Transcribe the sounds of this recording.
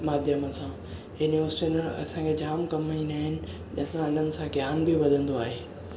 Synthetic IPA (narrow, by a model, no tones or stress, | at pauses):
maːd̪ʱjəməsã | junjuʋəɾsʈinəɾɐ̰sãːkʰed͡ʑaːmkɐmainaːɦɪnɪ̆ | ɐ̰̃sãɐn̤ənɪ̆sãɡjaːnbiʋɐd̪ʱə̃nd̪oaːɦeː